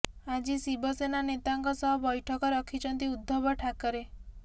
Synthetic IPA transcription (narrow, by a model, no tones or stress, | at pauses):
ad͡ʒisibɔsenanet̪aŋkɔsɔɦɔbɔjʈʰɔkɔɾɔkʰit͡ʃʰɔnt̪iud̪ʱːɔbɔʈʰakɔɾe